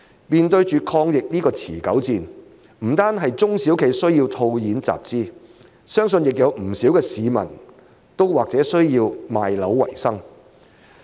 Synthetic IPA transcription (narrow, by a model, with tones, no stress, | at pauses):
miː˨nt̪ɵ˧ɥt͡ʃyː˨kʰɔː˧ŋjɪ˨k̚liː˥kɔː˧t͡sʰḭː˨˩kɐ˨˥wt͡siː˨n | m̩˨˩t̪aː˥nɦɐ˨jt͡sʊ˥ŋsi˨˥wkʰe˨˥jsɵ˥ɥjiː˧wt̪ʰo˧wjiː˨˥nt͡sa̰ː˨p̚t͡siː˥ | sœː˥ŋsɵ˧njɪ˨k̚jɐ˨˧wm̩˨˩siː˨˥wkɛː˧siː˨˧mɐ̰˨˩n | t̪o˥wwaː˨k̚t͡sɛː˨˥sɵ˥ɥjiː˧wmaː˨jlɐ˨˥wːɐ̰˨˩jsɐ˥ŋ